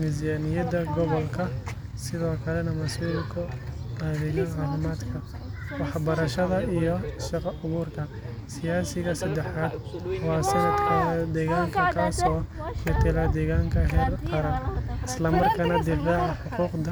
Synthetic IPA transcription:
mɪs̬jaːnɪjɐdɐɡɔβɔlkʰɐ | sɪðɔːkʰɐlɛnɐmɐsuːlkʰɐɐðɪɣɐʕɑːfɪmaːd̪kʰɐ | wɑħbɐɾɐʃɐðɐijɔʃɑqɑʊɣuːrkʰɐ | sɪjaːsɪɣɐsɐd̪ɛħaːd̪wɑːsɐnɐd̪kʰɐd̪ɛːɣaːŋkʰɐkʰaːsɔːmɛt̪ʰɪlɐd̪ɛːɣaːŋkʰɐɦɛːlqɑɾɐɪslɐmɐrkʰɐnɐd̪ɪfaːʕɑħʊquːqd̪ɐ

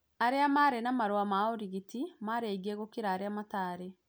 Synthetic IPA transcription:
aɾeamaɾenamaɾwamaoɾiɣitimaɾeiɡeɣokiɾaːɾeamataːɾe

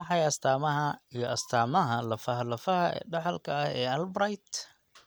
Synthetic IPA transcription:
ɑħɑjɐst̪ʰaːmɐɦɐijɞʔɐst̪ʰaːmɐɦɐlɐfɐɦlɐfɐhɐ̰ɖɑħɑlkʰɐɐhɛːɐlbɾajt̪

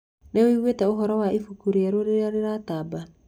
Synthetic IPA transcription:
newiɣwetɛoɦɔɾɔwaifukuɾijaɾoɾeɾaɾeɾataːba

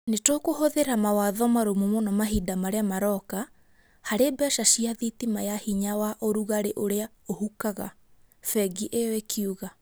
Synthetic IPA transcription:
netokohoðeɾamawaðɔmaɾomumɔnamaɦidamaɾeamaɾɔka | haɾebɛʃaʃiaðitimajahiɲawaʔoɾuɣaɾeʔoɾea | ohukaɣa̰ | fɛɡiʔejɔekʰiuɣa

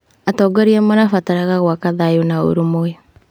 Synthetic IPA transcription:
atɔːɡaɾiamanafataɾaɣaɣwakaðajunao̰ɾumoe

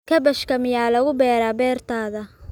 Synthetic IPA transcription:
kʰɐbɐʃkɐmɪjaːlɐɣʊbɛːɾaːbɛːrt̪ʰaːðɐ

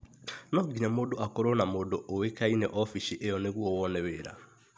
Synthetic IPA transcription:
nɔɡiɲamodoʔakoɾonamodoʔowekainɛʔɔfiʃiʔejɔneɣwɔwɔnɛweɾa̰

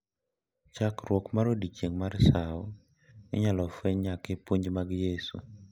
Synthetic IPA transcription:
t͡ʃakɾwɔkmaɾodit͡ʃeŋmarsaɔ | nɛ̰ɲalɔfɛɲakepoɲd͡ʒmaɡjesṵ

